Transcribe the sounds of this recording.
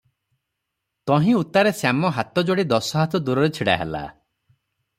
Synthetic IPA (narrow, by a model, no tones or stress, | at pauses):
t̪ɔɦĩut̪aɾesjamɔɦat̪ɔd͡ʒoɽid̪ɔsɔɦat̪ɔd̪uɾɔɾet͡ʃʰiɽa̰ɦḛla̰